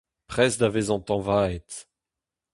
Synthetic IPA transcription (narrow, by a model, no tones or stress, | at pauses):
pχɛsd̪avezɑ̃t̪ɑ̃vaet̪